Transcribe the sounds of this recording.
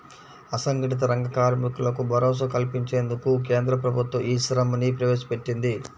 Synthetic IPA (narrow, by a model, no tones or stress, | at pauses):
ɐsɐŋɡɐʈit̪̬ɐɾɐŋɡɐkaːɾmikulɐkubʱɐɾɔːs̬ɐkɐlpiɲt͡ʃe̞ːnd̪ukuk̬e̞ːnd̪ɾɐp̬ɾɐbʱut̪wɐʔiːsɐɾɐmɐnipɾɐʋeːsɐ̥pe̞ʈːind̪i